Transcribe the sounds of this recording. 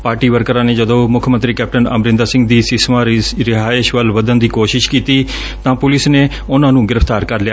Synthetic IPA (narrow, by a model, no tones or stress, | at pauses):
paːɾʈiːʋəɾkɾãːneːd͡ʒəd̪õːmʊkʰmə̃nt̪ɾiːkɛːp̚ʈənə̰mɾɪ̃nd̪aːsɪ̃ŋɡ̚d̪iːsɪsmãːɾɪɦaːɪʃʋəlʋəd̪ənd̪iːkoːʃɪʃkiːt̪iː | t̪ãːpʊlɪsneː | ʊnãːnũːɡɪɾəfʰt̪aːɾkəɾlja